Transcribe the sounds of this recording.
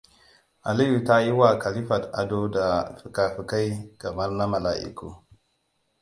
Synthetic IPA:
a̰˨li˦ji˨ta˦ji˦wa˨ka˨li˦fa˨ta̰˨do˦da˨fi˨ka˨fi˨ka˦jka˨ma˦ɾna˦ma˨la̰˨ʔḭ˨kṵ˦˨

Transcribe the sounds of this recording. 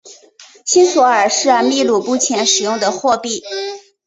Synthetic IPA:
ɕi˥nswɔ˧˥ə˞˨˩ʂɻ̩˥˧mi˥˧lu˥˩pu˥˩t͡ɕʰjɛ˧˥nʂɻ̩˨˩jʊ˥˩ŋd̪ə˩xwɔ˥˧pi˥˩

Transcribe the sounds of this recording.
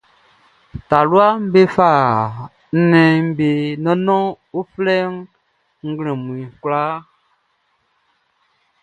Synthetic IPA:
ta˨lu˦a˦m̩˦be˦fa˦˨ | n̩˦nɛ̃˧˦be˨nɔ̃˦nɔ̃˦ | u˦flɛ˦ŋ | ŋ̩˦ɡlɛ̃˨mũ˨ĩ˨kula˦

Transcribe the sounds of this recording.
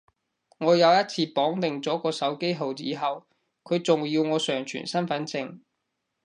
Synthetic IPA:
ŋɔː˨˧jɐ˨˧wjɐ˥t̚t͡sʰiː˧pɔː˨˥ŋt̪ɪ˨ŋt͡sɔː˨˥kɔː˧sɐ˨˥wke˥jɦo˨wt͡siː˨˥ɦɐ˨w | kʰɵ˨˧ɥt͡sʊ˨ŋjiː˧wŋɔː˨˧sœː˨˩ŋt͡ʃʰy̰ː˨˩nsɐ˥nfɐ˨˥nt͡sɪ˧ŋ

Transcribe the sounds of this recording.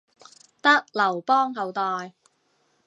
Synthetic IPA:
t̪ɐ˥k̚lɐ˨˩wpɔː˥ŋɦɐ˨˧wt̪ɔː˨j

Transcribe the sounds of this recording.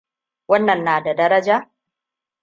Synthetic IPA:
wɐ˦nːɐ˨nːaː˨da˨dɐ˦ɾɐ˦d͡ʒaː˦

